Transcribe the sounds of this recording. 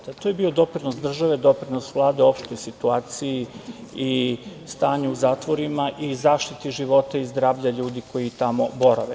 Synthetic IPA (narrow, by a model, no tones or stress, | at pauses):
at̪ojebio̞d̪o̞pɾinosd̪r̩ʒaʋe̞d̪o̞pɾinosʋlˠaːd̪eo̞pʃt̪o̞jsit̪uaːt̪sijiist̪aːɲuuzaːt̪ʋo̞ɾimaʔizaːʃt̪it̪iʒiʋo̞t̪aizd̪ɾaːʋʎaʎuːd̪iko̞jit̪amo̞bo̞ɾaʋe